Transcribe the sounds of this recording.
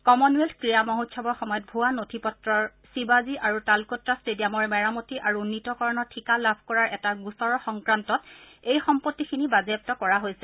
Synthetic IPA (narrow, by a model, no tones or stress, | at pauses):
kɔmɔnuelkɹijamɔɦutʰʃɔbɔɹxɔmɔjɔt̚bʱuanotʰipɔtɹɔɹsibaziʔaɹutalkɔtɹastediamɔɹmɛɹamotiʔaɹuunːitɔkɔɹɔnɔtʰikalabʱkɔɹaɹʔɛtaɡusɔɹɔxɔŋkɹantɔt | ejxɔmpotːikʰinibazep̚tɔkɔɹaɦojsɛ